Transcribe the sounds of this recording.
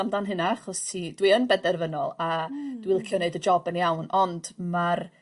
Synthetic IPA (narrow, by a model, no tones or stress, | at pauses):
amdanɦɨnaaχɔstʰidwiənbɛdɛrvənɔlˠad̥wilˠkʰjɔneɨdəd͡ʒɔbənjawnɔnd̥mar